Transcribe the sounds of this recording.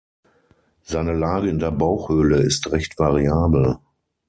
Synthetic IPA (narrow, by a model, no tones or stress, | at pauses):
z̥aɪnəlaːɡəɪndeːɐbaʊxhøːləɪstʁɛçtv̥aʁiaːbl̩